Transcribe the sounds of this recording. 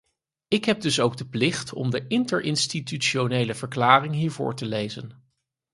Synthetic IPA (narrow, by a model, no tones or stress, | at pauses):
ɪkɦɛb̚dɵsowɡ̚dəplɪχtʰɔ̰mdəʔɪntəɹʔɪnstityʃonejləv̥əɹklaːrɪŋɦiːɹvʊ̰ːɹtəlejzə̰n